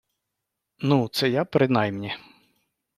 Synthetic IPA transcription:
nut̪sɛjapɾɪnɑjmnʲi

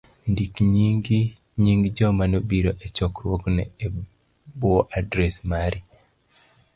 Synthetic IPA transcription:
ndikɲiɡi | ɲiŋɡd͡ʒɔmanobiɾoʔet͡ʃɔkɾwoɡnɛ̰e | buoʔadɾɛsmaɾi

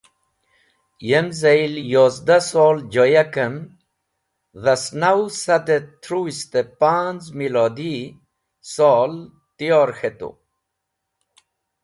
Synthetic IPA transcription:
jemzajljozd̪asoːld͡ʑojakəm | ðasnawsad̪et̪ʰɾuist̪epanzmilod̪i | sɔːl | t̪ijoːɾxet̪o̰

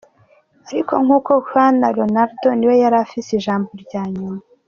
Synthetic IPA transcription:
aɾiko̞ŋuːko̞hanaɾonaɾdo̞niwe̞jaɾafisiʒaːmboɾɟaːɲuma

